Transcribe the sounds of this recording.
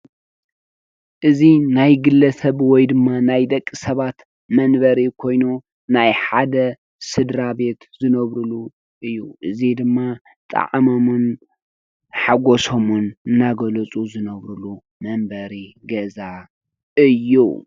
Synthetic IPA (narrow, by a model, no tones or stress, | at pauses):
ʔɨzinajɡɨlːɐsɐβwɔjd̪ɨmːanajd̪ɐkʼːisɐβat̪ | mɐnbɐɾikʰo̞jnu | najħad̪ɐ | sɨd̪ɾabe̞t̪zɨnɐβɾulu | ʔɨjːuʔɨzid̪ɨmːa | t̪ʼɐ̰ʕmomun | ħaɡosomunɨnːaɡɐlɐt͡sʼuzɨnɐβɾulu | mɐmbɐɾi | ɡɐza | ʔɨjːṵ